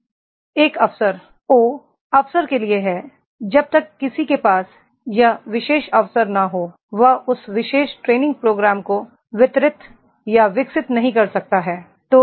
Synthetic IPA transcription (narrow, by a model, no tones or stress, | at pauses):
eːkɐfsəɾ | oː | ɐfsəɾkelieɦɛː | d͡ʒɐb̚t̪ɐkːɪsikepaːs | jaʋɪʃeːʃɐʋsəɾnaɦoː | ʋɐɦʊsʋɪʃeːʃʈɾeːnɪ̃ŋɡ̚pɾoːɡɾaːmko | ʋɪt̪ɾɪt̪ | jaʋɪksɪt̪nɐɦĩkɐɾsɐk̚t̪aɦɛː | t̪oː